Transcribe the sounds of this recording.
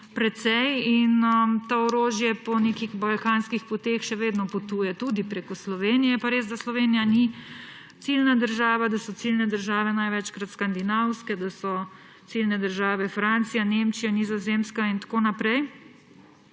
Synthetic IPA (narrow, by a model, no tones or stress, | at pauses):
pɾɛt̪sɛjinət̪oɔɾoːʒjɛpɔneːkixbalkaːnskixpɔt̪eːxʃɛʋeːd̪nɔpɔt̪uːjɛt̪ud̪ipɾekɔslɔʋeːnijɛjɛpaɾeːzd̪aslɔʋeːnijani | t̪silnad̪əɾʒaːʋad̪asɔt̪silnɛd̪əɾʒaːʋɛnajʋɛt͡ʃkɾat̪skand̪inawskɛd̪asɔ | t̪silnɛd̪əɾʒaːʋɛfɾant̪sijaneːmt͡ʃijanizɔzemskaint̪ḁkoːnapɾɛj